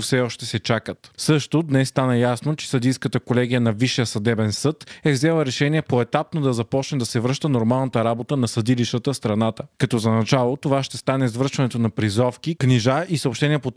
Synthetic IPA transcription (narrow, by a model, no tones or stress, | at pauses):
fsɛɔʃt̪ɛsɛt͡ʃakət̪sɤʃt̪od̪nɛsːt̪anəjasnot͡ʃɛ̥sɐd̪ijskət̪əkolɛɡʲijənɐviʃijəsɐd̪ɛbɛnsɤt̪ɛvzɛlˠəɾɛʃɛniɛpoɛt̪ap̚nod̪ɐzɐpɔt͡ʃnɛd̪ɐsɛvɾɤʃt̪ənoɾmalˠnət̪əɾabot̪ənɐsɐd̪iliʃt̪ət̪əst̪ɾɐnat̪əkɐt̪ɔzɐnɐt͡ʃalˠot̪ovaʃt̪ɛst̪anɛzvəɾʃvɐnɛt̪onɐpɾizɔfkikniʒaʔisəopʃt̪ɛnʲiɛpo